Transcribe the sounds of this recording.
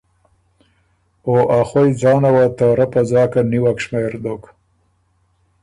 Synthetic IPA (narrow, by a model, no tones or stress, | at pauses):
oʔaxojd͡zɑːnawat̪aːɾapazɑːkaniwakʂmeɾd̪ok